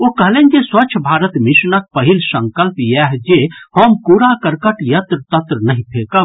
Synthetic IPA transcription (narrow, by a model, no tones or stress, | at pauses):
okəɦlend͡ʒeswəːt͡ʃʰbʱaːɾət̪misnək̚pəɦilsə̃ŋkəlpjɛɦd͡ʒehəmpuɾakəɾkəʈjət̪ɾət̪ət̪ɾənəɦĩpʰekə